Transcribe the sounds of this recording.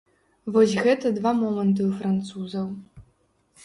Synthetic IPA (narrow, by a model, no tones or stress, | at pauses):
vɔsʲɣɛt̪ɐd̪vamɔmɐnt̪̬ɨwfɾɐnt̪suzɐw